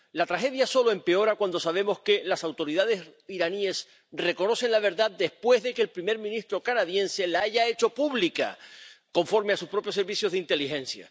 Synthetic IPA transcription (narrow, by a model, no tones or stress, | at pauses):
lat̪ɾaxe̞ðjaso̞lo̞e̞mpe̞o̞ɾakwand̪o̞saβ̞emo̞ske̞lasawt̪o̞ɾiðað̞e̞siɾanie̞s | re̞ko̞no̞se̞nlaβ̞e̞ɾðad̪e̞spwe̞zðe̞keːlpɾime̞ɾmĩnist̪ɾo̞kanaðjẽ̞nse̞laaʝae̞t͡ʃo̞puβlika̰ko̞ɱfo̞ɾmeasuspɾo̞pjos̬ːe̞ɾβisjo̞zðeint̪e̞lixẽ̞nsja̰